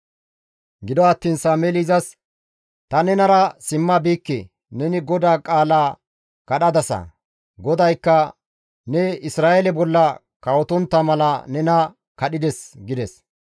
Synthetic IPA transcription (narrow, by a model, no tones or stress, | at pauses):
ɡɪd̪ɔɐt̪ːiːnsaːmelizɐs | t̪ɐnɛnɐɾɐsɪmːɐbiːkːɛ | nɛnɪɡɔd̪aːkʼaːlaː | kɐɗɐd̪ɐsɐ̰ | ɡɔd̪ɐjkːɐ | nɛɪsɾaːʔɛlɛbɔlːɐ | kɐwɔt̪ɔnt̪ːɐmɐlɐnɛnɐ | kɐɗɪd̪ɛsɡɪd̪ɛs